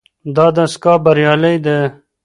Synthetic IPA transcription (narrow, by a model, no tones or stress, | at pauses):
d̪ɑːd̪ɐskɑːbɐɾjɑːlɐjd̪e